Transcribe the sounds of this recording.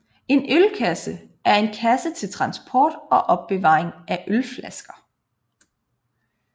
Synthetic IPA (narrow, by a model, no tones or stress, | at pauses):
e̝nølkʰæsə | æɐe̝nkʰæsət͡sʰe̝lt͡sʰʁɑ̈nsb̥ʰɒːd̥ɒ̽ʔɒ̽b̥̚ːe̝ʋɑ̰̈ːeŋæʔølflæsɡ̥ɐ